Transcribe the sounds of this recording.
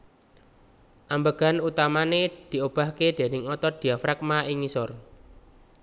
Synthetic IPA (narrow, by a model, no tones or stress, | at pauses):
ʔambəɡ̥a̤nut̪amaned̪̥i̤ob̥a̤hked̪̥e̤nɪŋɔt̪ɔd̪̥i̤afɾɛk̚maʔiŋisɔr